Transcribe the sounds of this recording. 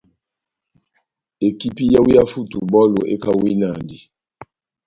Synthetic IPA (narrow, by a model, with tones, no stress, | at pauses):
e˨ki˦pi˦ja˦wu˦ja˦fu˦˨tu˨bɔ˦lo˨ʔḛ˦ka˨wi˦na˨di˨